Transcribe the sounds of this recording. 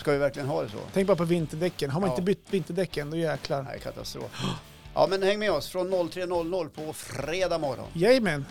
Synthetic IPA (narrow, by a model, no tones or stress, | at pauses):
skavɪvæɾklɪɡənɦɑːd̪ɛsɔ̰t̪ʰɛŋk̚bɑɾapʰɔvɪnt̪əɖɛkːənɦaɾmanɪəbʏt̪ːvɪnt̪əɖɛkːənd̪ɔjɛːkʰlaɾæ̰kʰa̰t̪a̰st̪ɾo̰ːf | ʔɑ̰ːmɛnhɛŋːmɛɔsfɾɔnːɔlːt̪ʰɾeːnɔlːnɔlːpʰɔfɾeːd̪ɑːmɔɾɔ̰njɛjmɛn